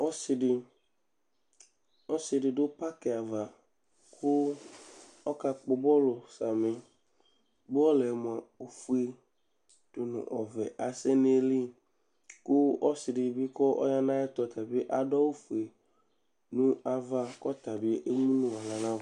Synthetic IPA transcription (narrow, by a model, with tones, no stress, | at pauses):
ɔ˦sɪ˨ɖɪ˨ | ɔ˦sɪ˨dɪ˨dʊ˦pa˦kɛ˨a˨va˨ | kʰʊ˦ | ɔ˦ka˨k͡pʊ˨bɔ˦lo˨sa˨mẽ˨ | bʊ˦ɔ˦lɛ˨m˨a˨o˨fu˨˦e˨ | d̥o˨nʊ̰̃˨ʔɔ˨vɛ̰˨ʔa˨sɛ˦ne˦li˦ | kʊ˦ɔ˦sɪ˨dɪ˨bi˦kɔ˦ʔɔ̰˦ja˦nã˦ɛ˦t̪ɔ˨t̪a˨be˦ʔa˨dɔ˦wo˦fu˨e˨ | nũ˦a˨va˦kɔ˦t̪a˨bi˦e˦ʔe˦mũ˦nũ˦va˨lã˨nã˦˨